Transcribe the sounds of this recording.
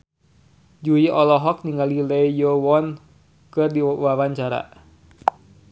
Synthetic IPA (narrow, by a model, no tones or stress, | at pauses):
d͡ʒuiʔɔlɔɦɔk̚niŋalilɛijɔwɔn | kɨrdiwawaɲt͡ʃaɾa̰